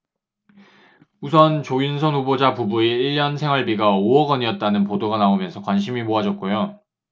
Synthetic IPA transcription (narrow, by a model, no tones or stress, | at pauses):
usʰʌnt͡ɕoins̬ʰʌnubod͡ʑapubueiɭːjʌnsʰe̞ŋwaɭbiɡaoʌɡʌɲiʌt̚t͈anɯnpodoɡanaomjʌnsʰʌkwanɕʰimimoɦad͡ʑʌt̚k͈ojo